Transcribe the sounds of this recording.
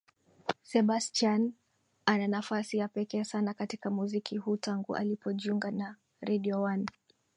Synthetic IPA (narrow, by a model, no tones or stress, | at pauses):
sɛɓastan | ananafasijapɛkɛːsanakatikamuzikʰihuːtaŋɡṵʔa̰lipʰɔʄiuŋɡana | ɾɛɗiɔwan